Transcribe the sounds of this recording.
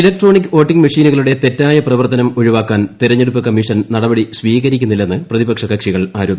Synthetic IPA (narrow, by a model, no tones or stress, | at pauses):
ilɐk̚ʈro̞ːnikːɨo̞ːʈːiŋɡmɐʂiːnuɣɐɭuɽe̞t̪e̞tːaːjɐprɐʋɐrt̪ɐnɐmoɻuʋaːkːaːnt̪iɾɐɲːeɽupːɨkɐmːiʂɐnnɐɽɐbɐɽisʋiːɣɐɾikʲːunːilːe̞nːɨprɐðibɐkʂɐkɐkʂiɣɐɭaːɾuːbɐ